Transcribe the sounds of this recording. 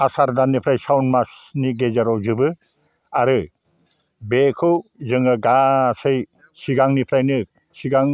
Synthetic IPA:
asaɾdanːipʰɾajsawnmasniɡezaɾɔwzɯbɯ | aɾɯ | bekʰɯwzɯŋaɡasɯj | siɡaŋnipʰɾajnɯ | siɡaŋ

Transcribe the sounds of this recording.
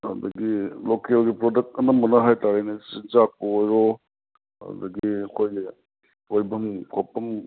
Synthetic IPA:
hadɐɡilokelɡipɾodɐk̚tɐnɐmːunɐɦajtaɾajnisinzak̚poːjɾɔ | a̰dɐɡiɐkʰoj | ojbɐmkʰɔpːɐm

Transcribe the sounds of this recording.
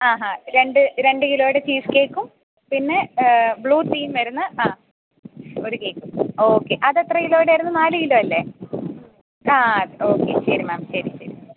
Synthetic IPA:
aːɦaɾe̞ɳɖɨɾe̞ɳɖɨkilo̞ːɽet͡ɕiːske̞ːkːum | pinːe̞bɭuːt̪iːmʋɐɾunːɐaː | o̞ɾuke̞ːkːumo̞ːkːe̞ʔɐðet̪rɐjilo̞ːɽeʋɐɾunːɨnaːlɨkiloːɐlːe̞ | aːðo̞ːkːe̞̰ɕɐɾumaːmɕɐɾiɕɐɾu

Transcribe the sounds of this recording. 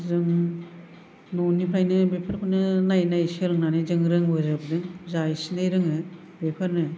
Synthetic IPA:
zɯŋ | nonipʰɾajnɯbepʰaɾkʰunɯnajnajsɯɾɯŋnanɯzɯŋɾɯŋbɯzɯb̚dɯŋzajsinajɾɯŋɯ | bepʰaɾnɯ

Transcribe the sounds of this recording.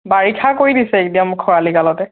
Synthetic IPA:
baɹikʰakoɹidisɛetijamʊkʰːɔɹalikalɔtɛ

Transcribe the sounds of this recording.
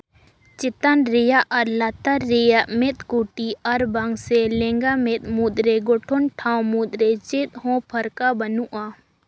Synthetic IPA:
t͡ʃɪt̪ənɾɪjaʔɐɾlat̪əɾːɪjaʔmɪt̪kuːʈiʔɐɾbɐŋɡselẽŋɡamɪt̪̚mud̪ɾeɡoʈʰʊnʈʰãːwmud̪ɾet͡ʃɪt̪̚ɦõpʰɐɾkabɐnuʔa

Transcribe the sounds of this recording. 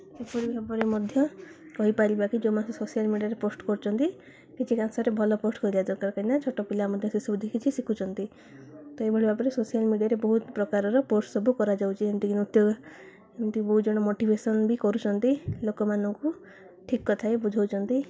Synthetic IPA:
epɔɽibapɔɾemɔd̪ʱjɔkɔɦipaɾibakid͡ʒomanssosijalmiɖiaɾeposʈkɔɾut͡ʃʰɔnt̪i | kit͡ʃʰikansaɾebʱɔlɔposʈkɔilad̪ɔɾkaɾkainat͡ʃʰoʈɔpilamɔd̪ʱjɔsesɔbud̪ʱekʰit͡ʃʰisikʰut͡ʃʰɔnt̪i | t̪oebʱɔɽibapɔɾesosijalmiɖijaɾebɔɦut̪pɾɔkaɾɔɾɔposʈsɔbʱukɔɾad͡ʒawt͡ʃʰiemt̪ikinut̪joɡɔ | emt̪ikbɔɦut̪d͡ʒɔɽ̃ɔmoʈibʱesɔnbikɔɾut͡ʃʰɔnt̪ilokɔmanɔŋku | ʈʰikːɔt̪ʰaebud͡ʒʱawt͡ʃʰɔnt̪i

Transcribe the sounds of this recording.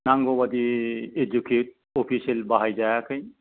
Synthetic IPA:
naŋɡobad̪ied͡ʒukʰut̚ | opʰiselbaɦajd͡ʒajakʰəj

